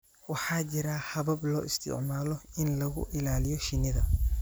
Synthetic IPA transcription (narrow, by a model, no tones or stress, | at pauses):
wɑħɑːt͡ʃɪɾahɐβɐblɔːʔɪst̪ʰɪ̰ʕmaːlɔɪnlɐɣʊ̰ʔɪlaːlɪjɔʃɪnɪðɐ